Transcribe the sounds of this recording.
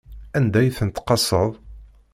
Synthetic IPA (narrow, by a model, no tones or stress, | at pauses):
ænd̪æjθənət̪qɑsəðˤ